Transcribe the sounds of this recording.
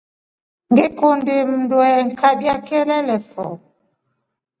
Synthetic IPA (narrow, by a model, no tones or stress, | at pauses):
ŋɡekondemndwɛŋ̩kaɓjakɛlɛlɛfɔ̰